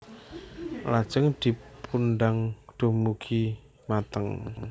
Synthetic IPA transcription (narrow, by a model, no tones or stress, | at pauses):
lḁt͡ʃəŋd̪̥i̤pʰunɖaŋɖ̪̥o̤mukʰi | mat̪əŋ